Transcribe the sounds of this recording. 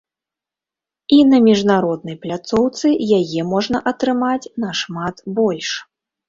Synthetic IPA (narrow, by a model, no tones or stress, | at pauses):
inɐmʲiʐnaɾɔd̪nɐjplʲat̪sɔwt̪sɨjajɛmɔʐnɐʔɐt̪ɾɨmat͡sʲnɐʂmat̪bɔlʲʂ